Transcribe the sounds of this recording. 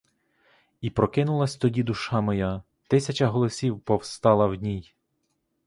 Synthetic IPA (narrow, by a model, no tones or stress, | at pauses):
ipɾɔkɪnʊlˠɐsʲt̪ɔdʲid̪ʊʃɑmɔja | t̪ɪsʲɐt͡ʃɐɦɔlˠɔsʲiwpɔwst̪ɑlˠɐwdʲnʲij